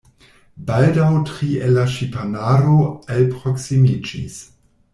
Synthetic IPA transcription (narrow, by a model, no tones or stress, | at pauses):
baldawtɾielːaʃipanaɾoelpɾoksimid͡ʒḭs